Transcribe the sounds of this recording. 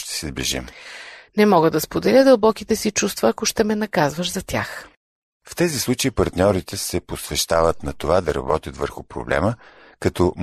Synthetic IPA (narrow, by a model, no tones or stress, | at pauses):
t̪ɛ̥sɛzblḭʒḭmnɛmɔɡəd̪ɐspod̪ɛlʲəd̪ɐlˠbɔkit̪ɛsit͡ʃust̪vəːkoʃt̪ɛmɛnɐkazvəʃzɐt̪ʲjax | ft̪ɛzislˠut͡ʃɐipɐɾt̪nʲɔɾit̪ɛsɛposvɛʃt̪avət̪nɐt̪ovad̪ɐɾɐ̰bɔt̪ʲjət̪və̰ɾxʊpɾo̰blɛ̰mə | kɐt̪ɔ